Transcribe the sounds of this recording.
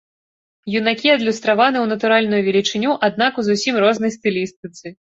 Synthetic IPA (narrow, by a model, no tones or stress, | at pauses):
junakʲiɐd̪lʲust̪ɾavanɨwnɐt̪uɾalʲnujuvʲɛlʲit͡ʂɨnʲuʔad̪̚nakuzusʲimrɔznɐjst̪ɨlʲist̪ɨt̪sɨ